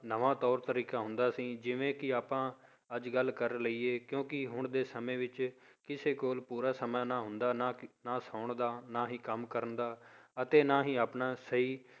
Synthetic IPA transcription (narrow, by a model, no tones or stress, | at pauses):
nəʋãːt̪ɔːɾt̪əɾiːkaːɦʊ̃nd̪aːsĩːd͡ʒɪʋẽːkɪaːpãː | əd͡ʒɡəlːkəɾləiːeːkjõːkɪɦʊɳd̪eːsəmẽːʋɪt͡ʃ | kɪseːkoːlpuːɾaːsəmaːnãːɦʊ̃nd̪aːnaːnaːsaːʊɳd̪aːnaːɦiːkəmkəɾənd̪aːət̪eːnaːɦiːaːpnaːsəɦiː